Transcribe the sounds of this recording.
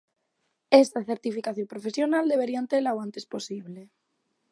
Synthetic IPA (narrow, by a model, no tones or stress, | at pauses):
est̪aθeɾt̪ifikaθjompɾofe̞sjo̞nald̪e̞βe̞ɾiant̪elaoant̪e̞spo̞siβle